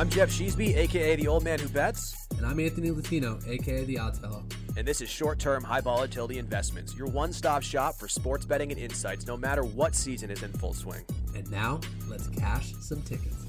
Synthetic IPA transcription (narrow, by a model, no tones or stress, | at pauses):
ãɪ̃md͡ʒɛfʃizbieɪkʰeɪeɪðioʊlˠd̚mæ̃nhʉbɛts | ɨ̃ñãɪ̃mæ̃nθɨnilɨtʰiñoʊʔeɪkʰeðiɑdz̥fɛlˠoʊ | ɨ̃nðɪsɨz̥ʃɔɹtʰɜ̃˞mɦaɪvɑlˠətʰɪlˠɾiɨ̃ɱvɛsmɨ̃ntsjə˞wʌ̃nstɑpʃɑpfə˞spɔɹtsb̥ɛɾɪ̃ŋɨ̃nɪ̰̃nsaɪtsnoʊmæɾə˞wʌtsizɨ̃nɨzɨ̃nfʊ̰lˠswɪ̰̃ŋɨ̃nːaʊ | lɨtskʰæʃ | sʌ̃mtʰɪkɨt